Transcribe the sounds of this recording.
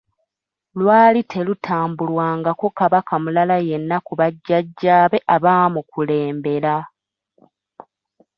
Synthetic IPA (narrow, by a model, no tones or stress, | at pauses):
lwaːlitʰe̞lutʰaːmbulwaːŋɡakukaβakamulalaje̞nːakuβaɟːaɟːaːβe̞ʔaβaːmukule̞ːmbe̞ɾa